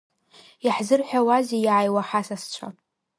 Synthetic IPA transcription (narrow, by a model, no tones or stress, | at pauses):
jaħzɨrħʷᶣawazijʕajwaħasast͡ɕʷʰa̰